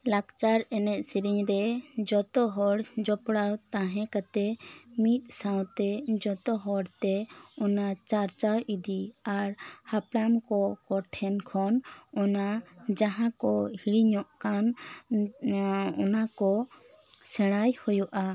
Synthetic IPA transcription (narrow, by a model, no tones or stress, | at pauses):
lakt͡ʃaɾɛnɛʔ̪̚ˀsiɾiɲɾɛd͡ʒɔt̪ɔɦɔɽd͡ʒɔpɽawt̪ãɦɛ̃kat̪ɛmit̪̚ˀsãw̃t̪ɛd͡ʒɔt̪ɔɦɔɽt̪ɛɔnat͡ʃaɾt͡ʃawʔid̪iaɾhaplamkɔkɔʈʰɛnkʰɔnɔnad͡ʒaɦãkɔhiɽiɲɔʔkan | ɔnakɔ | sɛɽ̃ajhujuʔa